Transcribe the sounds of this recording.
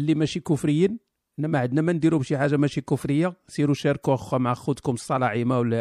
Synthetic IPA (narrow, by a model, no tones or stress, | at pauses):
lːimæʃikufɾəjːin | ənːæmæʕəd̪næmænd̪iɾubʃiħaʒːamæʃikʊfɾəjːasiɾuʃæɾkuəxwæmʕaxud̪kʊməsˤːɑlɑʕimawl